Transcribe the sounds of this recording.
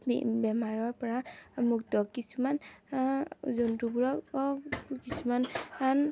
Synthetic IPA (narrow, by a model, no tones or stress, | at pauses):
bɛmaɹɔɹpɔɹamuk̚tɔkkːisuman | zontubuɹɔkɔkisumanan